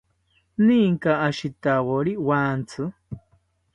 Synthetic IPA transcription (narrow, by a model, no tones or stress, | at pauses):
nĩŋkaaʃit̪awoɾiwaːnt͡sʰɨ